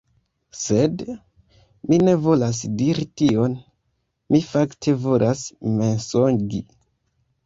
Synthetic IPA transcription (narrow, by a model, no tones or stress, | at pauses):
se̞d | mine̞vo̞las̬diɾitio̞n | mifaktʰe̞vo̞lʔasme̞nsonɡi